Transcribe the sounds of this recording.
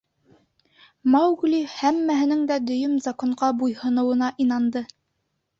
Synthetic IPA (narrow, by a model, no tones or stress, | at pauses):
mɑwɡulihæmːæɦɘ̆nɘŋd̪æd̪ɵ̆jɵmzɑkoɴɢɑbujhɤ̆nɤ̆wɤ̆nɑʔinɑnd̪ɤ